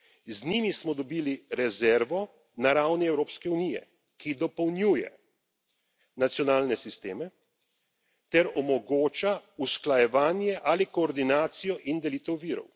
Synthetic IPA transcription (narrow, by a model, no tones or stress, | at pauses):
znimismɔd̪ɔbiːliɾɛzɛɾʋɔ | naɾawniɛwɾoːpskɛunijɛ̰ | kid̪ɔpɔwnjuːjɛ̰ | nat̪sjɔnaːlnɛsist̪eːmɛ | t̪ɛɾɔmɔɡoːt͡ʃausklajɛʋaːnjɛʔalikɔːɾd̪inaːt̪sijɔʔind̪ɛliːt̪ɛwʋiːɾɔ̰w